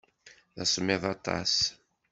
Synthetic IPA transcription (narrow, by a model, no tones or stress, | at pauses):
ðasmeðˤɑt̪ˤɑ̰s